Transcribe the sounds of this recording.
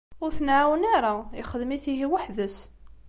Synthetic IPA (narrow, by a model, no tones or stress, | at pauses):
ʊɾθənʕawnaɾˤaiχəðmiθiɦiwaħðəs